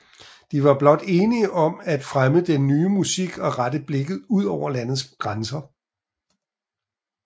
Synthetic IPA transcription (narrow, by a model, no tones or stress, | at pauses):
d̥iʋɑ̈b̥lɒ̽d̥e̝ːniəʔɒ̽mæd̥fʁaməd̥enːyːmusiɡ̥ɒ̽ʁadəb̥le̝ɡ̥ð̩ˠuð̞̰ˠɒʊ̰ɐlæn̰ð̩ˠsɡ̥ʁansɐ